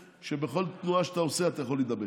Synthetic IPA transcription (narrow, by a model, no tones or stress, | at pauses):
ʃebeχo̞lt̪nuaʃe̥t̪aoseat̪ajaχo̞led̪abe